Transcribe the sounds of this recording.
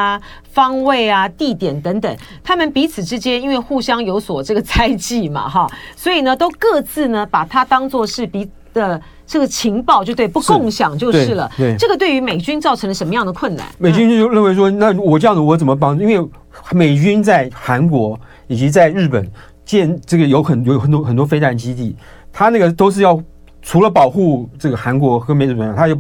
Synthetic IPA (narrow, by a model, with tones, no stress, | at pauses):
fɑ˥ŋwe˥˩ɪɐ˩t̪i˥˩t̪jɛ˨˩nt̪ə˧˥ŋt̪ə˨˩˦ŋ | t̪ʰa˥mə˨npi˧˥t͡sʰɹ̩˨˩ʈ͡ʂɻ̩˥t͡ɕjɛ˥ni˥nwe˥˧ɪxu˥˩ɕjɑ˥ŋjo˧˥ʊswɔ˨˩ʈ͡ʂɤ˥˩ɡə˩t͡sʰa˥ɪt͡ɕi˥˩ma̰˩ɦɑ˥˩swɔ˧˥i˨˩nə˦t̪o˥ʊkɤ˥˧t͡sɹ̩˥˩nə˩pa˨˩t̪ʰa˥t̪ɑ˥ŋt͡swɔ˥˧ʂɻ̩˥˩pi˧˥ | d̪ə˨ | ʈ͡ʂɤ˥˩ɡə˩t͡ɕʰi˧˥ŋpɑ˥˧ʊt͡ɕjʊt̪wɪpu˥˧kʊ˥˩ŋɕjɑ˨˩ŋt͡ɕjo˥˧ʊʂɻ̩˥˩lə̰˩e˥˩ʈ͡ʂɤ˥˩ɡə˩t̪we˥˩ɪy˧˥me˨˩ɪt͡ɕy˥nt͡sɑ˥˩ʊʈ͡ʂʰɤ˧˥ŋlə˨˩ʂə˧˥nmə˦jɑ˥˩ŋd̪ə˩kʰwə˥˩nːa̰˨˦nme˨˩ɪt͡ɕy˥nt͡ɕo˥˧t͡ɕjo˥˧ʊɻə˥˩nwe˧˥ɪʂwɔ˥na˥˩wɔ˨˩ʈ͡ʂɤ˥˧jɑ˥˩d͡zə˩wɔ˧˥t͡sə˨˩mə˦p̬ɑ˥ŋʈ͡ʂu˧i˥nwe˥˩ɪ | me˨˩ɪt͡ɕy˥nt͡sa˥˩ɪxa˧˥nkwɔ˧˥ | i˨˩t͡ɕi˧˥t͡sa˥˧ɪɻɻ̩˥˩pə˨˩˦n | t͡ɕjɛ˥˧nʈ͡ʂɤ˥˩ɡə˩jo˧˥ʊxə˨˩njo˧˥ʊ˥xə˨˩nt̪wɔ˥xə˨˩nt̪wɔ˥fe˥ɪt̪a˧˥nt͡ɕi˥t̪i˥˩ | t̪ʰa˥na˥˩ɡə˩t̪o˥ʊʂ̬ɻ̩˥˧jɑ˥˩ʊ | ʈ͡ʂʰu˧˥lə˧pɑ˨˩ʊxu˥˧ʈ͡ʂɤ˥˩ɡə˩xa˧˥nkwɔ˧˥xɤ˧˥me˨˩ɪɻ̩˥˩pə˨˩njt̪ʰa˥jo˥˧ʊ